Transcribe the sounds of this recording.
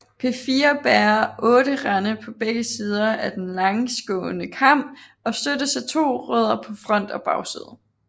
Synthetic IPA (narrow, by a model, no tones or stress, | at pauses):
pʰe̝fiːɐb̥æːɐʔɔ̽ːɾəʁɑnəpʰɒ̽b̥eɡ̥əsiːð̞ˠɐʔæd̥enlɑ̈ŋsɡ̥ɔ̰̽ːnəkʰɑ̈m̰b̥ | ɒ̽sd̥ødəsɑt͡sʰo̝̰ːʁœ̰ːð̞̰ˠɐpʰɒ̽fʁɒ̽n̰d̥ɒ̽b̥ɑ̈ʊsḭðˠə